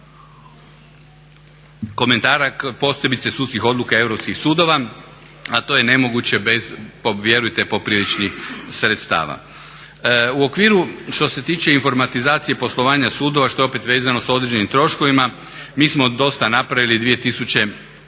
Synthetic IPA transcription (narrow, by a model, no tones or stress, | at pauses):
ko̞me̞nt̪aːɾakpo̞sje̞bit̪sesudt̪skixo̞d̪lukae̞ʋɾopskixsuːd̪o̞ʋa | at̪o̞ːje̞ne̞mo̞ɡut͡ɕe̞bezpoʋje̞ɾujt̪epo̞pɾilit͡ʃnixsɾet̪st̪a̰ːʋa̰ | uo̞kʋiːɾuʃt̪o̞se̞t̪iːt͡ʃe̞iɱfo̞ɾmat̪izaːt̪sije̞po̞slˠo̞ʋaːɲasuːd̪o̞ʋaʃt̪o̞jeo̞pe̞t̪ʋe̞ːzano̞sao̞d̪ɾed͡ʑenimt̪ɾo̞ʃkoʋima | miːsmo̞d̪o̞st̪anapɾaʋilid̪ʋije̞t̪isut͡ɕe̞